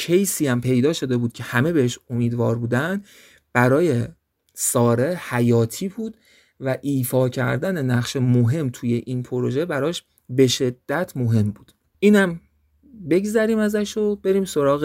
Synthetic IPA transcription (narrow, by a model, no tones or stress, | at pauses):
cʰejsiːæmpʰe̞jd̪ɒːʃo̞d̪e̞buːd̪̥̚cʰe̞hæme̞be̞heʃomiːd̪vɒːɾbuːd̪ænd̪ | b̥æɾɒːje̞ | sɒːɾehæjɒːt̪ʰiːbuːd̪̥ | væʔiːfɒːcʰæ̰ɾd̪æne̞næχʃe̞moɦe̞mt̪ʰuːje̞ʔiːnpʰoɾoʒe̞bæɾɒːʃ | be̞ʃe̞d̪ːæt̪ʰmoɦe̞mbuːd̪̥ | ʔiːnæm | be̞ɡzæɾiːmæzæʃob̥e̞ɾiːmso̞ɾɒːɣ